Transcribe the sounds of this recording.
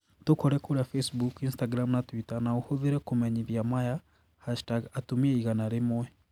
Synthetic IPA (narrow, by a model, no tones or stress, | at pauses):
tukoɾekuɾafesbukinstaɡɾamunatwitanauhuðiɾekumeɲiβjamaja | haʃtaɡatumieiɣanaɾemwe